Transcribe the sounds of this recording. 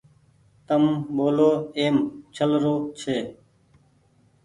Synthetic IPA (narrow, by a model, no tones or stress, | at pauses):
t̪əmɓoːloːeːmt͡ʃʰəlɾoːt͡ʃʰeː